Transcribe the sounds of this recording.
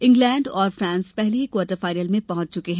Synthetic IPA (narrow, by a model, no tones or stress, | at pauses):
ɪ̃ŋɡlɛ̃ːɳɖɔːɾfɾãːnspɛɦleɦikwɔːɾʈəɾfaːɪɾiəlmẽpɐɦʊ̃t͡ʃt͡ʃʊkeɦɛ̃ː